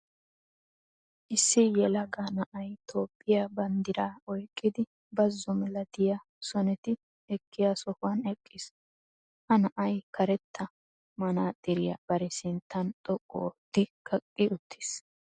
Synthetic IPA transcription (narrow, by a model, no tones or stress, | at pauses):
ʔɪsːɪjɛlɐɡanɐʔɐjt̪ʰo̞ːpʼːɪjabɐnd̪ɪɾaːɔjkʼːɪd̪ɪ | bɐzːɔmɛlɐd̪ɪja | sɔnɛt̪ɪ | ɛkːɪjaːsɔfwɐnɛkʼːɪs | ʔɐnɐʔɐjkɐɾɛt̪ʰːɐ | mɐnaːt̪ʼɪɾɪjɐ̰b̥ɐɾɛsɪnt̪ːɐnt̪ʼɔkʼːo̰ːt̪ːɪkʰɐkʼːɪʔʊt̪ʰːi̥s